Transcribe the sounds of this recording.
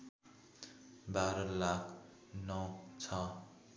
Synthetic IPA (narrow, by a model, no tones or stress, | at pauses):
baɾʌlakʰ | nʌwt͡sʰʌ